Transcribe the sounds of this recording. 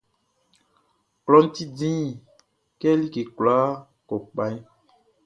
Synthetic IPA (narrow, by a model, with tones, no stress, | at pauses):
klɔ˨˦n̩˦t̪i˦dĩ˦˨ | kɛ˦li˦ke˨kla˦ | kɔ˨k͡pa˦